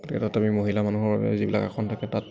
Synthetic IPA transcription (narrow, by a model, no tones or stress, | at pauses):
ɡotʰikɛtatamimoɦilamanuɦɔɹba̰bɛ̰zibila̰ka̰kʰɔntʰakɛtat